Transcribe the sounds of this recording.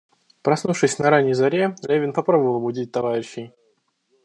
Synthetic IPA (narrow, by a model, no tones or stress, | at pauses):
pɾɐsnufʂɨsʲnɐɾanʲːɪjzɐɾʲelʲevʲɪnpɐpɾobəvəlˠɐbʊdʲit̚ʲt̪ɐvaɾʲɪɕːɪj